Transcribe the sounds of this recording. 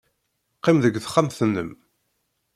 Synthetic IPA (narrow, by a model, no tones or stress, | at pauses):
qːɪmðəɡθχːamθnːəm